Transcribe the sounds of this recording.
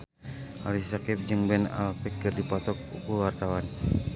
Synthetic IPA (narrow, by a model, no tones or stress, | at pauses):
ʔa̰lisakip̚d͡ʒɨŋbɛna̰lfɛk̚kərdipɔt̪ɔk̚ṵkulwart̪awan